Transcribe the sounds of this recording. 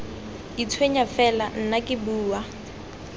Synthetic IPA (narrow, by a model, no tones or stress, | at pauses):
it͡sʰweɲafɛlan̩nakʼɪbuːwa